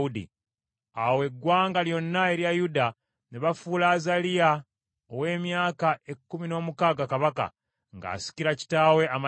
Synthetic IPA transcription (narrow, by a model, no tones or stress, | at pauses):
udḭ | awe̞ɡːwaːŋɡaljo̞nːae̞ɾjajuda | neβafulaːzalija | owe̞ːmjaːkaʔe̞kːumino̞ːmukaːɡakaβaka̰ | ŋɡa̰ːsi̥ciɾaci̥taːwe̞ama